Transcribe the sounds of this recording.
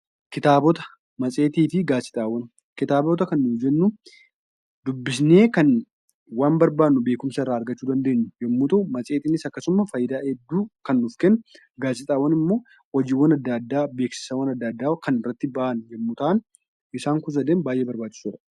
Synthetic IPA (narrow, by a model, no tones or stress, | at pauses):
kɪt̪aːbɔt̪ɐ̥ | mɐt͡sʼe̞ːt̪iːt̪ɪɡaːsɪ̥t̪ʼaːwɐn | kɪt̪aːbɔt̪̬ɐkɐnːʊd͡ʒɛnːʊ | d̪ʊbːɪsne̞ːkɐn | waːnbɐɾbaːnːʊbe̞ːkʊmsɐɪrːaːɐɾɡɐt͡ʃːuːd̪ɐnd̪e̞ːɲːʊjɛmːʊt̪ɐʊmɐsʼeːt̪iːnɪsɐkːɐsʊmɐfɐjɪd̪aːʔɛd̪ːuːkɐnːʊfkɛnːʊ | ɡaːsɪt̪ʼaːwɐnɪmːo̞ː | ɔd͡ʒiːwɐnɐd̪ːad̪ːaːbeːksɪ̥sɐwɐnɐd̪ːaːd̪ːaːkɐnɪrːɐt̪ːɪbaʔɐnjɛmːʊt̪ɐʔɐn | ʔɪsaːŋkʊs̬ɐd̪eːnbaːjʔeːbɐɾbaːt͡ʃːɪ̥suɾɐ